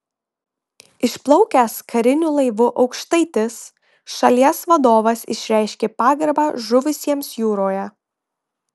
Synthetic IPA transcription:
ɪʃplˠɐʊkʲæskʰɐɾʲɪnʲulˠɐɪʋʊʔɒʊkʃt̪ɐɪt̪ʲɪs | ʃɐlʲiɛsʋɐd̪oːʋɐsɪ̰ʃʲɾʲæˑɪʃʲkʲeːpɑːɡɐɾbɑːʒʊʋʲʊsʲiɛmsjuːɾoːjɛ

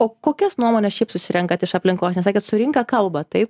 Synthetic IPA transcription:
oːkoːkʲɛsnuɔmoːnʲɛsʃʲɛɪpsʊsʲɪɾʲɛŋkɐt̪ɪʃɐpʲlʲɪŋkoːsnʲɛsɑːkʲeːt̪sʊɾʲɪŋkɐkɐlˠbɐt̪ɐɪp

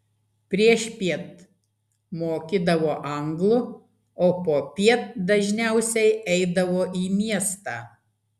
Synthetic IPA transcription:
pʲɾʲiɛʃpʲiɛt̪ | moːkʲid̪ɐʋoːʔɐŋɡlˠʊ | oːpoːpʲiɛt̪̚d̪ɐʒʲnʲæˑʊsʲɛɪʔɛɪd̪ɐʋoːʔiːmʲiɛst̪ɑː

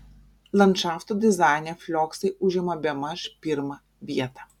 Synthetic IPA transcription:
lˠɐnt̪ʃaft̪od̪ʲɪzɑˑɪnʲɛfʲlʲɔksɐɪʊʒʲɛmɐbʲɛmɐʃpʲɪɾmɐ | ʋʲiɛt̪ɐ

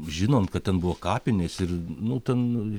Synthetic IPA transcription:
ʒʲɪnoːnt̪̚kɐt̪̚tʲɛnbʊʋoːkɑːpʲɪnʲeːsɪrnʊt̪ʲɛn

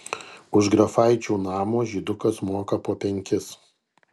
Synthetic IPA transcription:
ʊʒɡɾɐfɐˑɪt͡ʃʲuːnɑːmoːʒʲiːd̪ʊkɐsmoːkɐpoːpʲɛŋʲkʲɪs

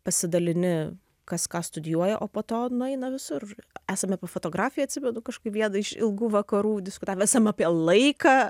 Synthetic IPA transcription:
pɐsʲɪd̪ɐlʲɪnʲɪ | kɐskɑːst̪ʊd̪ʲjuɔjɛʔoːpoːt̪oːnʊɛɪnɐʋʲɪsʊræːsɐmʲɛpofoːt̪oːɡɾɑːfʲɪjɛːɐt̪ʲsʲɪmʲɛd̪ʊkɐʃkkɐɪpʋʲiɛnɐɪʃɪ̰lˠɡuːʋɐkɐɾuːd̪ʲɪskʊt̪ɑːʋʲɛsɐmɑpʲiɛlˠɐɪkɑː

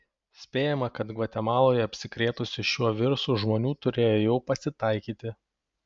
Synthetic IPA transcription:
sʲpʲeːjɛmɐkɐt̪ɡʋɐt̪ʲɛmɑːlˠoːjɛɐpʲsʲɪkɾʲeːt̪ʊsʲɪʃʲuɔʋʲɪɾsuːʒmoːnʲuːt̪ʊɾʲeːjoːjɛʊpɐsʲɪt̪ɐɪkʲiːt̪ʲɪ

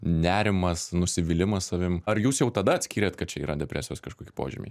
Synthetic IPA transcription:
nʲæːɾʲɪmɐsnʊsʲɪʋʲɪlʲɪmɐssɐʋʲɪmɐɾjuːsjɛʊt̪ɐd̪ɐɐt̪ʲsʲkʲiːɾʲeːt̪kɐt̪̚t͡ʃʲɛiːɾɐd̪ʲɛpʲɾʲʔæ̰ːsʲɪjoːskɐʃkoːkʲi̥ːpo̰ːʒʲɪ̰mʲḭː

